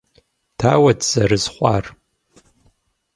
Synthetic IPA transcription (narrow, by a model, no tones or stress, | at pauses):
tʰaːwɐdz̥ɐɾɨzχʷɑːr